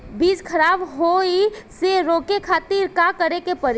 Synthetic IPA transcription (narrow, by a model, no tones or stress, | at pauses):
biːd͡ʒkʰɐɾaːbɦoːiseɾoːkekʰaːt̪iɾkakəɾekepəɾ